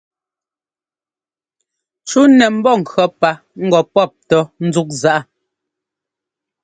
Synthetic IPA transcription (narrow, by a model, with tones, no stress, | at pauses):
t͡ʃu˦nɛ˨m̩˦bɔ˦˨ŋ̩˨kɰɔ˦pa˦ | ŋ̩˦ɡɔ˨pɔ˦˨p̚tɔ˨n̩˦zu˦k̚za˨ʔa˦